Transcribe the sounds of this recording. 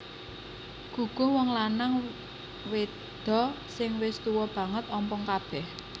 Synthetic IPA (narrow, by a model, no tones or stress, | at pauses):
ɡ̥ṳɡ̥ɔ̤wɔŋlanaŋ | we | d̪̥ɔ̤ | sɪŋwɪst̪uwɔb̥ä̤ŋət̪ɔmpɔŋkab̥ɛh